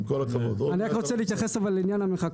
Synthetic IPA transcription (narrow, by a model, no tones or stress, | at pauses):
kolakavod̪oaniʁakʁot͡seliit̪jaχesavalinjanameχak